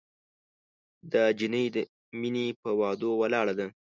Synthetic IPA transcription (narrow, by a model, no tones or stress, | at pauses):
d̪əd͡ʒinəjd̪ə | minepəwɑd̪owalɑɽad̪a